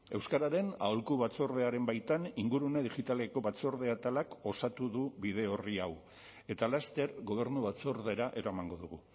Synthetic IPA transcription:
e̞wskaɾaɾe̞na̰olkuβat͡so̞ɾð̞e̞aɾe̞mbajt̪aniŋɡuɾuneðiʝit̪aleko̞βat͡so̞ɾðe̞at̪alako̞sat̪uðuβiðe̞o̞riaw | e̞t̪alast̪e̞ɾɣo̞β̞e̞ɾnuβat͡so̞ɾðe̞ɾaʔe̞ɾoamaŋɡo̞ðuɣu

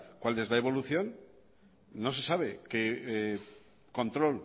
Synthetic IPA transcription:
kwalːe̞zðae̞βo̞luθjo̞n | no̞s̬e̞saβ̞e̞ke | ko̞nt̪ɾo̞l

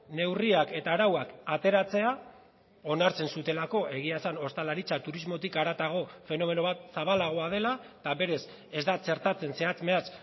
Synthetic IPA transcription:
ne̞wriake̞t̪aːɾawakat̪e̞ɾat͡se̞a | o̞naɾt͡se̞nsut̪e̞lako̞ʔe̞ɣ̞iasano̞st̪alaɾit͡sat̪uɾizmo̞t̪ikaɾat̪aɣ̞o̞fe̞no̞me̞no̞β̞at̪̚saβ̞alaɣ̞o̞að̞e̞lat̪aβe̞ɾe̞s | e̞zd̪at͡ʃe̞ɾt̪at͡se̞nse̞at͡sme̞as

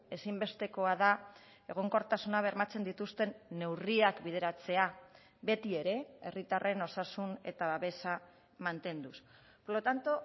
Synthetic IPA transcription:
e̞simbe̞st̪e̞ko̞aða | e̞ɣ̞o̞ŋko̞ɾt̪asunaβ̞e̞ɾmat͡se̞nd̪it̪ust̪e̞nːe̞wriakbið̞e̞ɾat͡se̞a | βe̞t̪ie̞ɾe̞e̞rit̪are̞no̞sasune̞̰t̪aβaβe̞sa | mant̪e̞nd̪us | poɾlot̪ant̪o

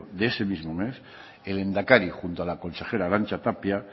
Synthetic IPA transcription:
d̪ese̞mizmo̞mes | elend̪akaɾixunt̪oalako̞nse̞xeɾaɾant͡ʃat̪apja

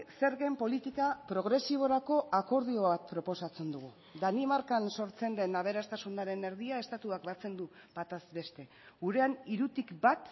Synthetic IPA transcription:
se̞ɾɣe̞mpo̞lit̪ikapɾo̞ɣ̞ɾe̞siβ̞o̞ɾako̞ʔako̞ɾð̞io̞ββat̪̚pɾo̞po̞sat͡se̞nd̪uɣu | d̪animaɾkanso̞ɾt͡se̞nd̪e̞naβ̞e̞ɾast̪asunaɾe̞ne̞ɾð̞iae̞st̪at̪uak̚bat͡se̞nd̪u | b̥at̪azbe̞st̪e̞ | ɣuɾe̞aniɾut̪ikbat̪

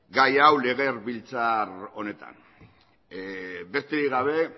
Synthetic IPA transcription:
ɡajawle̞ɣ̞e̞rβilt͡saro̞ne̞t̪a̰n | be̞st̪e̞ɾiɣaβ̞e̞

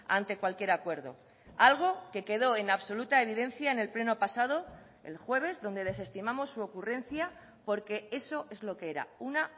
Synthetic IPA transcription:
a̰nt̪e̞kwalkje̞ɾakwe̞ɾðo̞̰ | alɣ̞o̞ke̞ke̞ð̞o̞e̞naβso̞lut̪ae̞β̞iðe̞n̟θjaene̞lple̞no̞pasað̞o̞ | e̞̰lxwe̞β̞e̞zðo̞nd̪e̞ðe̞s̬e̞st̪imamo̞sːuo̞kure̞nθja | po̞ɾke̞e̞so̞ʔe̞zlo̞keeɾa̰una

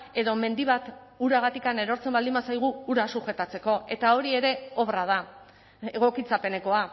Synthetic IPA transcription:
e̞ðo̞me̞nd̪iβ̞at̪uɾaɣ̞at̪ikane̞ɾo̞ɾt͡se̞mbald̪imasajɣ̞uuɾasuxe̞t̪at͡se̞ko̞e̞t̪ao̞ɾie̞ɾe̞o̞βrað̞a | eɣ̞o̞kit͡sape̞ne̞ko̞a

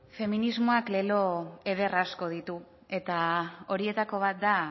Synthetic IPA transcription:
fe̞minizmo̞akle̞lo̞e̞ðe̞rasko̞ð̞it̪u | e̞t̪ao̞ɾie̞t̪ako̞β̞at̪̚d̪a

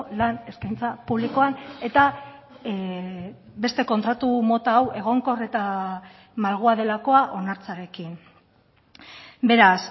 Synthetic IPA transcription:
lane̞skajnt͡sapuβliko̞ane̞t̪a | be̞st̪e̞ko̞nt̪ɾat̪umo̞t̪aːwʔe̞ɣ̞o̞ŋko̞ret̪a | malɣ̞uaðe̞lako̞aʔo̞naɾt͡saɾe̞kin | be̞ɾas

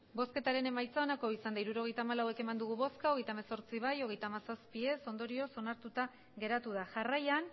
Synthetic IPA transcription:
bo̞ske̞t̪aɾe̞ne̞majt͡sao̞nako̞isand̪aiɾuɾo̞ɣ̞e̞jt̪amalawe̞ke̞mand̪uɣuβo̞skaoɣejt̪aemeso̞ɾt͡siβ̞ajo̞ɣ̞e̞jt̪aːmasaspie̞so̞nd̪o̞ɾio̞so̞naɾt̪ut̪a | ɣe̞ɾat̪uðaʝarajan

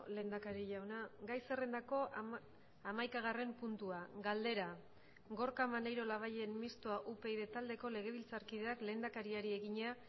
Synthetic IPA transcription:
le̞ːnd̪akaɾiʎawnaɡajse̞re̞nd̪ako̞ | amajkaɣ̞are̞mpunt̪uaɡald̪e̞ɾa | ɡo̞ɾkamanejɾo̞laβ̞aʎenmist̪oaʔupe̞iðe̞t̪ald̪e̞ko̞le̞ɣ̞e̞β̞ilt͡saɾkið̞e̞akle̞ːnd̪akaɾiaɾie̞ɣiɲea

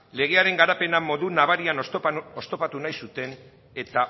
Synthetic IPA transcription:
le̞ɣ̞e̞aɾe̞ŋɡaɾape̞namo̞ðunaβaɾianost̪o̞pat̪unajsut̪e̞n | e̞t̪a

